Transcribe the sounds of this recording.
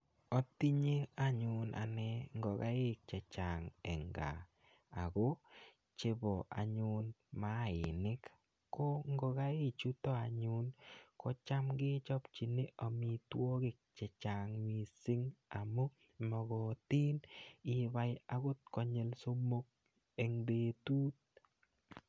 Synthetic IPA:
ɔ˦t̪i˦ɲe˦a˦ɲʊ˨nʔa̰˨nɛ˦ŋɡɔ˨ɡa˦ɪ˦k̚t͡ʃɛ˨t͡ʃa˨ŋɛ˨ŋɡa̰˨ | a̰˨ɡo˦ | t͡ʃe˦bɔ˨ʔa̰˨ɲʊnma˦˨ɪ˨nɪ˦k | kːo˦ŋɡɔ˧ɡa˦ɪ˦t͡ʃu˦tɔ˦a˨ɲʊ˦nkɔ˦t͡ʃa˦mɡɪ˦t͡ʃɔ˦pt͡ʃi˨ne˦ʔa˨mi˨t̪wo˦ɡɪ˦k̚t͡ʃɛ˨t͡ʃa˨ŋmi˨si˦ŋa˨mo˦ | mɔ˨ɡɔ˨t̪i˦nɪ˨ba˦ja˨ɡʊ˦t̪̚kɔ˨ɲe˦lso˦mo˦k̚ | e˨ŋbe˨t̪uː˦t̪̚

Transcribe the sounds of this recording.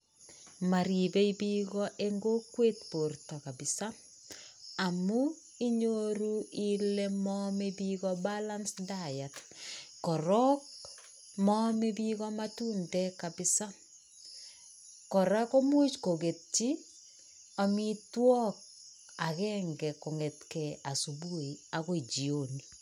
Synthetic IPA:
ma˨ɾi˨be˦i˦bi˦ɡɔ˦ʔe˦ŋɡo˦kwe˦tpo˨rtɔ˨ka˨bɪ˨sa˦ | a˨mu˦ | i˦ɲo˦ɾu˦ile˦mɔme˦bi˦ɡɔ˦bala˦nsdaja˨tkɔ˨ɾɔ˦k | mɔme˦bi˦ɣɔmatu˦ndɛka˨bɪsa˦ | kɔ˨ɾa˦kɔ˦mʊ˦t͡ʃko˨ɡe˨t͡ʃi˦ | a˨mitwɔ˦k̚ | a˨kɛŋɡɛ˨kɔ˨ŋɛ˨tkɛa˨su˨bu˦˨iaɣɔ˦i˨d͡ʒi˨oni

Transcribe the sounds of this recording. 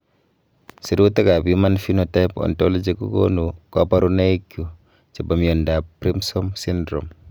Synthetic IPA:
si˨ɾu˦ta˦ka˨buma˦nfi˦no˨ta˦jpɔ̰˨ntɔlɔ˦d͡ʒi˨kṵ˦ko̰nu˨kapa˦ɾuna˦ikju˨ | t͡ʃa˨ba˨mjɔ˨nda˨pɾi˦msɔmsindɾɔ̰m

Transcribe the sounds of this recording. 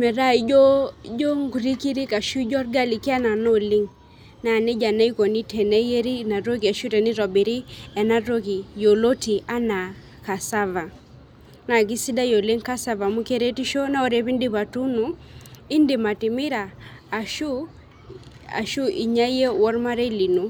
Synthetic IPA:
mɛ˨ɾa˦i˦d͡ʒo˦d͡ʒo˦ŋɡu˨ɾi˦ki˦ɾi˦ka˨ʃu˦d͡ʒɔ˦rɡa˦li˨ki˦a˦na˨no˦li˦ŋ | na˨ne˦d͡ʒa˨na˦i˦ko˨ni˦tʰɛ˨nɛ˦je˦ɾi˦na˨ɾo˦k̬i˨a˨ʃu˦tɛ˨ni˦ɾɔ˨bi˨ɾi˦ɛ˨na˦ɾo˦ki˨jo˨lo˦ti˨ʔa˦na˨ | ka˨sa˦va˨ | na˨k̬i˦si˦da˦jo˨li˦ŋka˦sa˨va˨mu˦ke˦ɾe˦ti˦ʃo˦na˦o˦ɾe˦pi˦ndi˦pa˨tu˦nu˨ | ɪ˦ndi˨ma˨tɪ˨mɪ˦ɾaː˨ | ʃu˦ | a̰˨ʃu˦ʔi˨ɲa˦je˦wɔ˦ɾma˦ɾe˦li˨nu˨

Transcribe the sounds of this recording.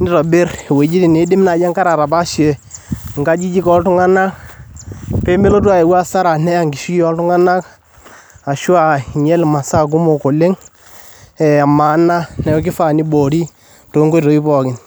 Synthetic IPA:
ni˦ɾɔ˨bɪ˦ɾwe˨˦d͡ʒi˦ti˨ne˨˦dɪ˦m˦na˨d͡ʒɛ˦ŋka˦ɾa˨ɾa˨ba˦ʃe˨ŋɡa˦d͡ʒi˦d͡ʒi˦kɔ˦ltʊ˦ŋa˦na˦k | pe˦me˦lo˦t̬a˦e˨wa˦sa˦ɾa˨nɛ˦ja˨ŋɡi˨ʃi˦ki˦ɔ˦ltʊ˦ŋa˦na˦k | a˨ʃwa˨ɲɛ˦lma˨sa˦k̬u˦mo˨ko˨le˦ŋ | ɛ˨a˨ma˨˦na˦nɛ˨jɔ˦k̬ɪ˦fa˨ni˦bo˨ɾi˦ | to˨˦ŋɡo˦tɔ˨i˦pɔ˨kɪ˨n

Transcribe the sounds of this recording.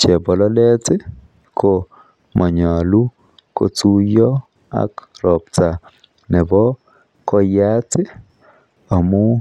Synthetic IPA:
t͡ʃɛ˨bɔ˨lɔ˦lɛ˦tɪ˦ | kʰo˨ | mʔɔ˨ɲa˨lu˦ | ko̰˨tu˦jɔ˦ | a̰˨kɾɔ˨pta˨ | nɛ˨bɔ˦ | kɔ˦ja˦tɪ˦ | a˨mu˦

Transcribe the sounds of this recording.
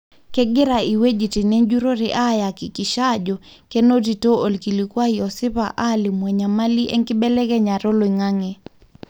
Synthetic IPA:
kɛ˦ɡɪ˦ɾa˨i˨we˦d͡ʒi˨ti˨nɛ˦nd͡ʒu˦ɾo˦ɾɛʔa˦ja˨ki˨kɪ˨ʃa˦d͡ʒɔ˨ | kɛ˦no˦ti˨to˦o˨lki˨li˨kwa˦ijɔ˨sɪ˦pa˨ʔa˦lɪ˨mwɛ˨ɲa˨ma˦li˦ʔɛ̰˦ŋkɪ˦bɛ˦lɛ˦kɛ˦ɲa˨ɾo˦lo˨i˨ŋa˦ŋɛ˨

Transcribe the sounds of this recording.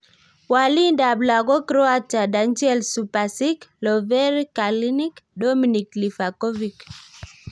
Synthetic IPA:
wa˨li˦nda˨bla˨ɡɔ˦kɾɔ˦a˦ta˨da˨˦nd͡ʒɛ˦lsu˨pa˨si˦klɔ˨vɛ˦ɾka˨li˦ni˦kdɔ˦mi˨ni˨kli˨fa˨kɔ˦vi˨k

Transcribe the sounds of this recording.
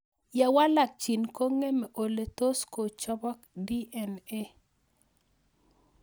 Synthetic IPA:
ja˨wa˦la˨k̚t͡ʃi˨nko˦ŋe˦mɛ˨ʔo˨le˨to˦sko˨t͡ʃɔ˦bɔ˦kdi˦ʔɛ˨ne˦

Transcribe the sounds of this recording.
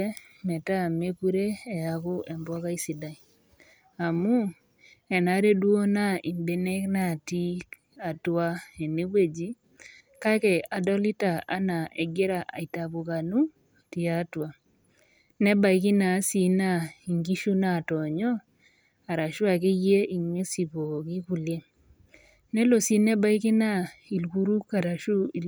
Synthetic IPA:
mɛ˨ta˦me˦ku˦ɾe˦ɛ˨ja˨kʊ˦ʔɛ˨mbɔ˦ka˦i˦si˨da˨i˨ | a˨mu˦ | ɛ˨na˨˦ɾe˦dwo˦na˦i˨mbe˨ne˦kna˦˨ti˦ | a˨twa˦e˨ne˦we˦˨d͡ʒi˦ | ka˦kɛ˨a˨dɔ˦li˦ta˨a̰˦na˨e˨ɡe˦ɾa˨a̰˨i˨ta˨bu˨ka˨nu˦ | ti˦a˦twa˨ | nɛ˦ba˦jkɪ˦na˨˦si˨na˦˨i˨ŋɡi˦ʃu˦na˦˨tɔ˨ɲɔ˦ | a˨ɾa˨ʃʊ˦a˨k̬e˦je˦i˨ŋe˦si˨po˨ki˦ku˨lje˦ | nɛ˦lo˨si˦nɛ˦ba˦jkɪ˦na˦˨i˨lɡu˦ɾu˦ka˨ɾa˨ʃu˦i˨

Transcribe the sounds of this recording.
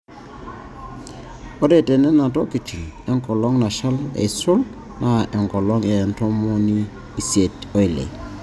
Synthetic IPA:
o˦ɾe˨tɛ˨nɛ˦na˨tɔ˦ki˨t͡ʃi˨nɛ˦ŋkɔ˨lɔ˦ŋna˨ʃa˦lɛ̰˨sʊ˦l | nʔa˦ʔɛ˨ŋkɔ˨lɔ˦ŋɛ˨ntɔ˦mo˦niː˦˨ | si˨e˨to˦i˨lḛ˨

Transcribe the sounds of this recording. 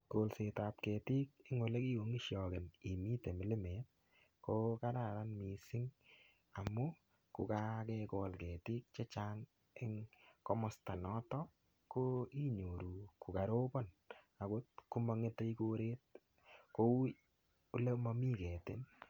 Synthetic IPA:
ko˨lse˨ta˨p̚kɛ˨ti˦k̚ɪ˦ŋwo˨le˦ki˦o˨ŋi˦ʃjɔ˨kɪ˨ni˨miː˦te˨mɪ˨lɪ˦mɛ˨t̚ | ko˦ka˦da˨ɾa˦nmi˨sɪ˦ŋ | a˨mu˦ | kʊ˨ka˦kɛkɔ˨lkɛ˨ti˦k̚t͡ʃe˦t͡ʃa˦ŋ | ɪ˦ŋkɔ˦mɔ˨sta˨nɔ˦tɔ | ko˦i˦ɲo˨ɾu˨ku˨ka˨ɾo˦bɔ˦n | a˨ko˦t̚ku˦mɔ˧ŋe˦te˦i˦ko˦ɾeː˦t̚ | ko˦ | ʊ˦le˦ma˦mi˦kɛ˨tɪ˦n

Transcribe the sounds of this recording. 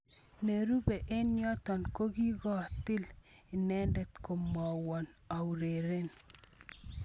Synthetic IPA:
ne˨ɾu˦be˨ʔe˦njɔ˦t̪ɔ˨nko˦ɡi˦ɡɔ˦a˨t̪ɪ˦l | ɪ˨nɛ˦ndɛ˨t̪ko˨mɔ˨wɔ˨n | a˨u˨ɾe˨ɾe˦n

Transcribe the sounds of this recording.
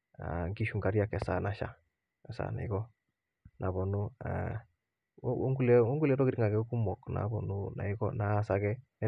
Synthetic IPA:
a̰˨ŋɡi˦ʃu˨ŋɡa˨ɾja˦˨kɛ˨sa˨na˨ʃa̰˨˦ | ɛ˨sa̰˨na̰˨i˦ɡɔ˦ | nʔa˨bɔ˨nu˦a̰˦ | ŋɡu˦lɛ˦o˦ŋɡulɛ˦ɾɔ˦kɪ˦ɾi˦ŋa˨kɛ˨˦ku˦mɔ˨kna̰˨˦bɔ˨nuna̰˨i˦ɡɔ˦naː˨sa˨kɛ˦

